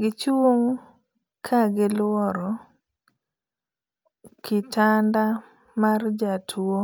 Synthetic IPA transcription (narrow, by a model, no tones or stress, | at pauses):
ɡɪt͡ʃoŋ | kʰaɡɪlɔɾɔ | kʰɪtʰanda | mard͡ʒatʰuo